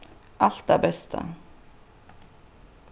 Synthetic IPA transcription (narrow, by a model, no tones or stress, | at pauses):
ʔɑlt̪̚æːbɛst̪ʰə̰